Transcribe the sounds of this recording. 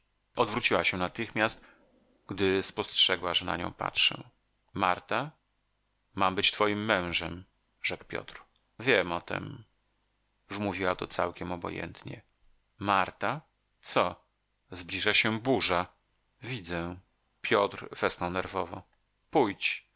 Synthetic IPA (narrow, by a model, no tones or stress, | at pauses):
ɔd̪vɾut͡ɕiwaɕɛnat̪ɘxmʲjast̪ | ɡd̪ɘspɔstʂɛɡwaʐɛna̰ɲɔ̰̃w̃pa̰tʂɛ̰ | maɾt̪a | mambɘt͡ɕt̪fɔjimːɛ̃w̃ʐɛm | ʐɛkpʲjɔ̰t̪ɾ | vʲjɛmɔt̪ɛ̰m | vmuvʲiwat̪ɔt̪sa̰wkʲɛmɔbɔ̰jɛ̰nt̪ɲɛ̰ | maɾt̪a | t̪sɔ | zblʲiʐaɕɛbuʐa | vʲid̪zɛ | pʲjɔt̪ɾv̥ɛsnɔ̃w̃nɛɾvɔvɔ̰̃ | pujt͡ɕ